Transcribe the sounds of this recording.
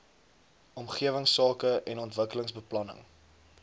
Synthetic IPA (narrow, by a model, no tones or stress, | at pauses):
ɔmχiəvəŋsɑːkəʔɛnɔntvəkələŋsbəplɐnə̰ŋ